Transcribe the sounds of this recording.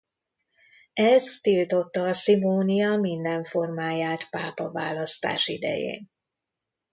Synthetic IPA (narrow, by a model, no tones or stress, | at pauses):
ɛzt̪ilt̪o̞t̪ːɒːsimoːnijɒmind̪ɛɱfo̞rmaːjaːt̪paːpɒvaːlɒst̪a̰ːʃḭd̪ɛ̰jḛːn